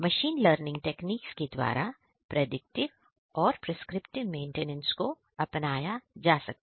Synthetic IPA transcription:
mɐʃiːnləːɾnɪ̃ŋɡ̚ʈeːkniːksked̪wa̰ːɾʔa | pɾɐd̪ɪk̚ʈɪʋ | ɔːɾpɾeskɾɪpʈɪʋmẽːɳʈeːnə̃nsko | ɐpnaːjad͡ʒaːsɐk̚t̪ː

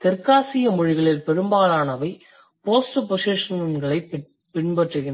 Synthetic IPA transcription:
t̪ɪɾkaːsɪjɐmʊɻɪɣɐɭɪlpɛɾɯmbaːlaːnɐʋɐɪ | poːsʈɯpɔseːʂɐnɐnɡɐɭɐɪ | pɪɳbɐʈrɯɣɪn

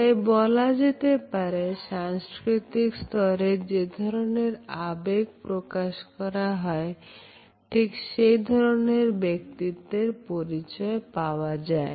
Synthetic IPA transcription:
ajbɔlad͡ʑet̪epaɾeʃaŋskɾit̪ikst̪ɔɾed͡ʑed̪ʱɔɾoneɾabeɡ̚pɾokaʃkɔɾaɦɔe | ʈʰikʃejd̪ʱɔɾoneɾbek̚t̪id̪ːeɾpoɾit͡ɕɔepaoad͡ʑae

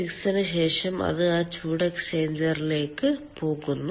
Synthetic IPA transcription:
iksɐnɨɕeːʂɐmɐ̰ðɨaːt͡ɕuːɽɐkseːnd͡ʑɐrile̞ːkːɨpʰo̞ːɣunːu

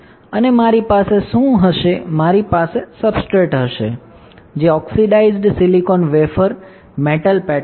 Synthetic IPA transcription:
ənemaɾipaseʃũɦəʃemaɾipasesəbsʈɾeʈɦəʃḛ | d͡ʒeɔksiɖaizɖsilikonʋefəɾ | meʈəlpɛ

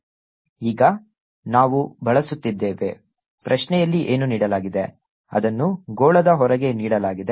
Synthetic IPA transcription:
iːɡɐ | naːʋubɐɭɐsut̪ːid̪ːeːʋe̞̰ | pɾʔɐʂnɛjɐlːiʔeːnuniːɽɐlaːɡid̪e̞ | ɐ̰d̪ɐnːuɡoːɭɐd̪ɐɦɔɾɐɡe̞niːɽɐlaːɡid̪e

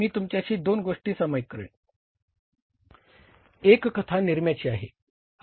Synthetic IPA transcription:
miːt̪umt͡ɕjaɕiːd̪onɡoʂʈiːsəməjkəɾḛɳ | ekːət̪ʰaniɾmjat͡ɕiːaɦe

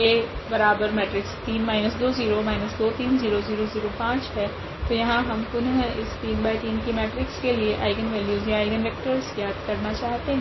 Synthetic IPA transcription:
jeːbɐɾaːbəɾmɛːʈɾɪkst̪iːnmaːɪnəsd̪oːziːɾoːmaːɪnəsd̪oːt̪iːnziːɾoziːɾoziːɾopãːt͡ʃɦɛː | t̪ojɐɦãɦɐmpʊnɦɪst̪iːnbaːɪt̪iːnkemɛːʈɾɪkskelieʔaːɪɡənʋɛːljuːzjaaːɪɡənɾɛːk̚ʈəɾzjaːd̪kɐɾnat͡ʃaːɦt̪eɦɛ̃

